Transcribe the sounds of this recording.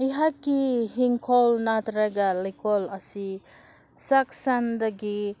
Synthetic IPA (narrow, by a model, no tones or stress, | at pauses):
iɦakːiɦiŋkʰɔlnat̪ɾaɡalikʰɔlasi | saksand̪aɡi